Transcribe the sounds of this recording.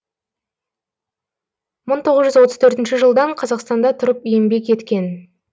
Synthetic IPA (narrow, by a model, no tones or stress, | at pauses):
məɴt̪ʰo̞ʁəzʒʏzwo̞t̪əzt̪ʰɵɾt̪ɪnʃɪʒəlˠd̪ɑɴqʰɑzɑqst̪ɑnd̪ɑt̪ʰʊɾəpjembe̞kʲe̞t̪kʲe̞n